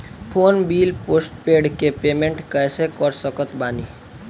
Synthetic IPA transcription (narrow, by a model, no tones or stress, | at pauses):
pʰoːnbiːlpoːsʈpeɖkepeːmẽɳʈkəsekəɾsəkət̪baːni